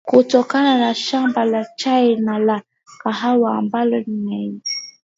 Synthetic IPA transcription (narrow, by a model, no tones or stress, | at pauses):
kotɔkananaʃambalat͡ʃaenala | kaɦawambalɔniŋɛi